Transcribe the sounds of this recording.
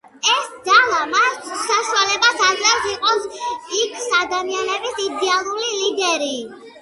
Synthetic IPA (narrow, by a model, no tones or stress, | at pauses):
ɛsd̪alˠamasaʃualɛbatʰad̪ɾɛt̪iqʼɔikʰsad̪amianɛbisid̪ɛalˠulilid̪ɛɾi